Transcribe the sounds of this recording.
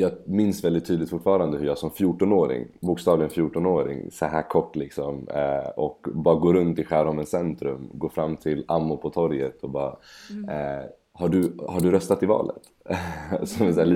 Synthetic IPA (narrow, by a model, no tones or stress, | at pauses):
jɑːmɪnsvɛld̪ɪt̪ʰːyːd̪lɪt̪fʊʈfɑːɾand̪əhɵɾjɑːsɔmfjuːʈɔnoːɾɪ̰ŋbʊkst̪ɑːvlɪɡənfjuːʈɔnoːɾɪ̰ŋsɔɦæ̰ːɾkʰɔʈːlɪksɔmɔkbɑːɾaɡoːɾɵnt̪ɪɧæːɾɔmənsɛnt̪ɾɵmɡoːfɾamːt̪ʰɪlamːʊpʰɔt̪ʰɔɾjət̪ʰɔbɑːɾaɛ | haɖɵhaɖɵɾœst̪at̪ɪvɑ̰ːlə̰t̪ | sɔɛsælː